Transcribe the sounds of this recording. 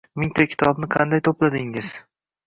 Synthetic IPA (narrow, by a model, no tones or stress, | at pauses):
mɪŋt̪ʰakʲʰɪ̥t̪ʰɒbnɪqʰɑnd̪ajt̪ʰoplad̪ɪŋɪz̥